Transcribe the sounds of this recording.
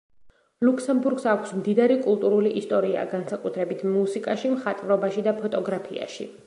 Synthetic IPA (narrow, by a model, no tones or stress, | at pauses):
lukʰsɛmbuɾɡsakʰʷsmd̪id̪aɾikʼulˠt̪ʼuɾuliʔist̪ʼɔɾia̰ɡansakʼut̪ʰɾɛbit̪ʰmusikʼaʃimχat̪ʼvɾɔbaʃid̪apʰɔt̪ʼɔɡɾapʰia̰ʃḭ